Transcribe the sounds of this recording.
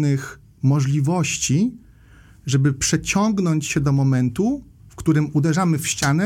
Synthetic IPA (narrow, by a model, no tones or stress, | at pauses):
nɘx | mɔʐlʲivɔɕt͡ɕi | ʐɛbɘpʂɛt͡ɕɔŋɡnɔɲt͡ɕɕɛd̪ɔmɔmɛnt̪u | fkt̪uɾɘmud̪ɛʐamɘfɕt͡ɕanɛ